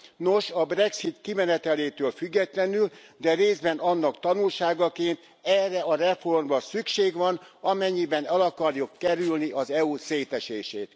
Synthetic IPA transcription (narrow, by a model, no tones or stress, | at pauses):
no̞ʃɒbrɛksit̪kimɛnɛt̪ɛleːt̪øːlfyɡːɛt̪lɛnyld̪ɛɾeːzbɛnɒnːɒkt̪ɒnulʃaːɡɒkeːnt̪ | ɛrːɛɒɾɛfo̞rmrɒsykʃeːɡʋɒnɒmɛɲːibɛnɛlɒkɒrjukːɛɾylniʔɒzɛuseːt̪ɛʃeːʃeːt̪